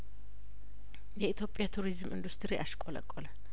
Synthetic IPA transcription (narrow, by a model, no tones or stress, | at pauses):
jɛit̪ʰjo̞pʼːjat̪ʰuɾizmɨnd̪ust̪ʰʼɾiʔaʃkʼɔlə̰kʼːɔl